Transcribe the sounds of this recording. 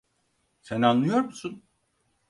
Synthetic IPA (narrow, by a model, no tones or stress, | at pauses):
senanlːˠɯjo̞ɾmusun